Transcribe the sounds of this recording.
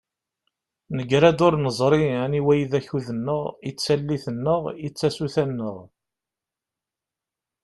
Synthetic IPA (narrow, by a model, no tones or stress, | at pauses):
nəɡɾæd̪ʊɾnəzˤɾˤiæniwæjiðæçuðənːəʁit͡sːælːiθənːəʁit͡sːæsuθænːəʁ